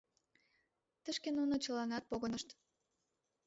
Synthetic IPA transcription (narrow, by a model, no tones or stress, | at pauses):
t̪əʃkenunot͡ɕəlɑnɑt̪̚poɣənəʃt̪